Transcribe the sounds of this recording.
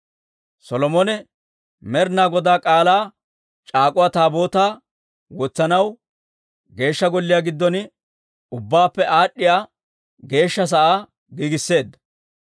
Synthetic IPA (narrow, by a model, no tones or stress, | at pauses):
sɔlɔmɔnɛ | mɛɾnaːɡɔd̪aːkʼaːlaː | t͡ʃʼaːkʼʊwaːt̪aːbo̞ːt̪aː | wɔt͡sːɐnɐw | ɡe̞ːʃːɐɡɔlːɪjaːɡɪd̪ːɔn | ʊbːaːpːɛʔaːɗːɪjaː | ɡe̞ːʃːɐs̬ɐʔaː | ɡiːɡɪsːe̞ːd̪ːɐ̥